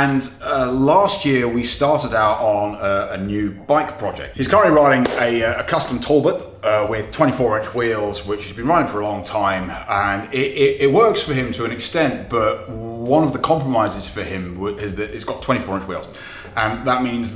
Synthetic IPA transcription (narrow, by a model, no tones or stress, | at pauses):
ə̃nəlɑˑst̚jɪəwistɑˑɾɪɾaʊɾn̩əənjʉb̥aɪkpʰɹ̥ɒd͡ʒɛ̰k̚t̚hiz̥kʰʌɹə̃nʔliɹaɪɾɪ̃ŋəəkʰʌstə̃mtʰɔlˠbət | ʌwɪð̥tʰw̥ɛ̃ñtifɔːɹɪ̃nt͡ʃwiːlˠzwɪt͡ʃhəzbĩnɹaɪɾɪ̃ŋfəɹəlɔ̃ŋtʰãɪ̃m | ə̃nɪɾɪɪt̚wɜ˞ˑksfəɪ̃mtʰəə̃nɨkstɛ̃nb̥ʌʔwʌ̃nʌvðəkʰɒ̃mpɹ̥əmaɪzɪz̥fəɪ̃mwʌɪzðɨɪsɡ̥ɒtʰw̥ɛ̃ntifɔːɹɪ̃nt͡ʃwḭlˠz̥ | ə̃nðəʔ̚mĩnz